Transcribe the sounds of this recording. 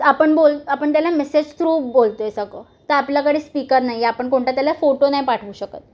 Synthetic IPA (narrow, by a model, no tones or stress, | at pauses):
apəɳbolapəɳt̪jalamesed͡ʑt̪ʰɾuːbolt̪oesəko | t̪əapljakəɽ̤iːspikəɾnaɦjapəɳkoɳʈat̪jalafoʈonajpaʈʰʋuːɕəkət̪̚